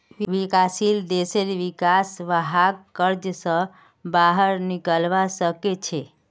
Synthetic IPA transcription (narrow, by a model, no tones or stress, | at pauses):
ʋʋikasild̪eseɾʋikasʋəɦaɡkəɾd͡ʒsə̃ | baɦəɾnikəlbasəket͡ʃʰɛ